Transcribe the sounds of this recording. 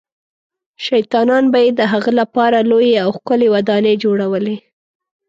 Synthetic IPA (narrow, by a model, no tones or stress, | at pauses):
ʃajt̪ɑnɑnbajed̪əɦaɣalapɑɾalojeawxkʊlewad̪ɑned͡ʒoɽawəle